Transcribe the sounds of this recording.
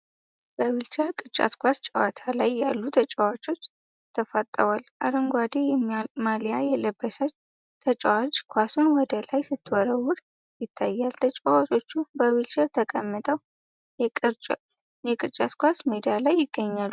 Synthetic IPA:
b̥əwilt͡ʃəɾkʼɨt͡ʃʼa̰t̪kʷast͡ʃʼəwa̰t̪ʰalajːalːut̪ʰət͡ʃʼəwat͡ʃʼo̞t͡ʃː | t̪ʰəfat̪ʼːəwalʔa̰ɾəŋɡʷad̪ejɛmːmalijajɛləbːəsat͡ʃ | t̪ʰət͡ʃʼɛwat͡ʃkʷʰasɨnwɔd̪əlajsɨt̪ʰːɨwɔɾəwʊɾ | jɪt̪ʰːajːalt̪ʰət͡ʃʼawat͡ʃʼo̞t͡ʃːubəwilt͡ʃəɾt̪ʰəkʼəmːɨt̪ʰʼəw | jɛkʼɨɾt͡ʃʼ | jɛkʼɨɾt͡ʃʼat̪kʷasmed̪ijalajːɪɡːəɲːalː

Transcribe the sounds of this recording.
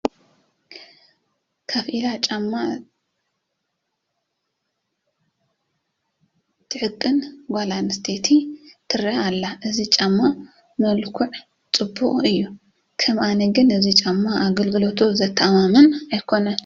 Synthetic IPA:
kʰaβʔilat͡ʃʼamːa | t̪ʰɨʕɨkʼːɨnɡʷalanɨst̪ʰet̪ʰit̪ʰɨɾɐalːaʔɨzit͡ʃʼamːa | mɐlkʰuʕ | t͡sʼɨbːuχʼɨjːu | kʰɐmʔanɐɡɨnɨzit͡ʃʼamːaʔaɡɐlɡɨlot̪ʰuzɐt̪ʰːaamamɨnajkʰo̞nɐn

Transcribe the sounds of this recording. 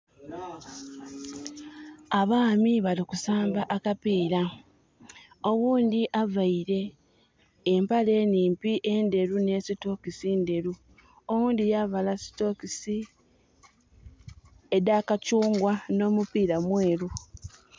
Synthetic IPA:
aβaːmiβalikusaːmbaʔakapiːɾa | o̞ɣuːnd̪iʔavaiɾe̞ː | mpale̞ːniːmpiʔe̞nde̞ɾune̞ːsito̞kisinde̞ɾu | owuːndijavalasi̥to̞kisi | edakacuːŋɡwano̞ːmupiːɾamwe̞ːɾu

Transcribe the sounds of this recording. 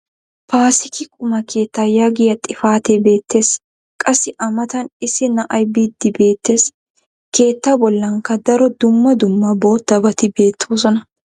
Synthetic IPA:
paːsɪkɪkʼʊmɐkʰe̞ːt̪ːaːjaɡɪjɐt̪ʼːɪfaːt̪ebe̞ːt̪ːe̞ːs | kʼɐsːɪʔɐmɐt̪ɐnɪsɪnɐʔɐjbid̪ːɪbe̞ːt̪ːe̞ːs | ke̞ːt̪ːabɔlːɐŋkɐd̪ɐɾɔd̪ʊmːɐd̪ʊmːɐbo̞ːt̪ːɐbɐt̪ɪbe̞ːt̪ʰːoːs̬ɔnɐ

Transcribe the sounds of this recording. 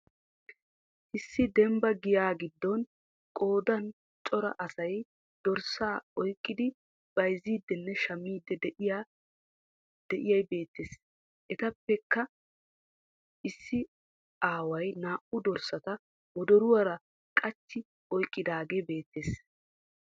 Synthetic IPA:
ʔɪsːɪd̪ɛmbɐɡɪjaːɡɪd̪ːɔn | kʼoːd̪ɐn | t͡ʃʼɔɾɐ̰ʔɐsɐj | d̪̥ɔɾsaːɔjkʼːɪd̪ɪ | b̥ɐjziːd̪ːɛnːɛʃɐmːiːd̪ːɛd̪ɛja | d̪̥ɛʔɪjɐjbe̞ːt̪ːeːs | ʔɛt̪ɐpːɛkːɐ | ʔɪsːɪ | aːwɐjnaːʔʊd̪ɔɾsɐt̪ɐ | wɔd̪ɔɾʊwɐɾɐ | kʼɐt͡ʃːɪ | ɔjkʼːɪd̪aːɡeːbe̞ːt̪ːeːs

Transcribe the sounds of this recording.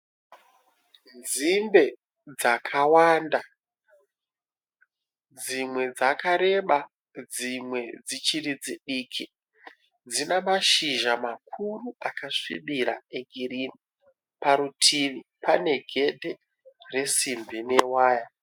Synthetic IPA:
nzimbe̞ | d͡zakʰawaːnda | d͡zimwe̞d͡zakaɾe̞ɓa | d͡zimwe̞d͡zit͡ʃiɾid͡ziɗiːkʰi | d͡zinamaʃiʒamakʰuruakaʂḭɓiɾa̰eɡʱiɾini | paɾutʰiʋipane̞ɡʱe̞dʱe | re̞simbinewaːja

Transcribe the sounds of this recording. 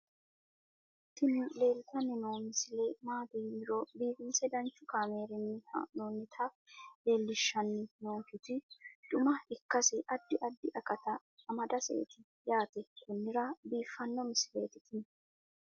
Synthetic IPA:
t̪ɪnɪle̞ːlt̪ɐnːɪnoːmɪsɪlemaːd̪iːnɾɔbiːfɪnsɛd̪ɐnt͡ʃːʊkaːmeːɾɪnːɪhɐ̰noːnːɪt̪ʰɐ | le̞ːlːɪʃːɐnːɪnoːkɪt̪ɪd̪̥ʊmɐɪkːɐsɪʔɐd̪ːɪʔɐd̪ːɪʔɐkɐt̪ɐ | ɐmɐd̪ɐsḛːt̪ɪ | jaːt̪ɛkʊnːɪɾɐbiːfːɐnːɔmɪsɪle̞̰ːt̪ɪ̥t̪ɪnɛ

